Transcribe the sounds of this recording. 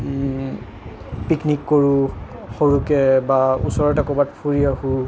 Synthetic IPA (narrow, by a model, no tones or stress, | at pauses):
piknikːoɹuxoɹukɛbaṵsɔɹɔtakɔbatpʰuɹiahu